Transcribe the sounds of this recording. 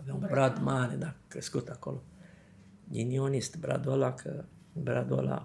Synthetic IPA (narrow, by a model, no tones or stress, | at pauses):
avemumbɾad̪maned̪akɾeskut̪ako̰lo | ɡinionist̪bɾa̰d̪uolakʰə | bɾad̪o̰la̰